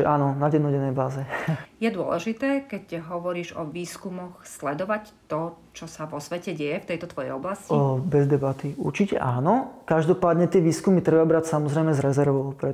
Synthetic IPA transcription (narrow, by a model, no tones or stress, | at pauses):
ɛ̰ʔaːnɔnaɟɛd̪nɔɟɛnːɛjbaːzɛjɛd̪ʊɔ̰lɛ̰ʒit̪ɛːkɛcɦɔʋɔɾiːʒɔ̰ʋiːskumɔxslɛd̪ɔʋac | t̪ɔt͡ʃɔsaʋɔsʋɛcɛɟɛjɛft̪ɛjt̪ɔt̪ʋɔjɛ̰jɔblascibɛzd̪ɛbat̪iṵɾt͡ʃicɛ̰ʔaːnɔkaʒd̪ɔpaːd̪ɲɛt̪ɪɛʋiːskumit̪ɾɛbabɾacsamɔzɾɛjmɛzɾɛzɛɾʋɔʊpɾɛ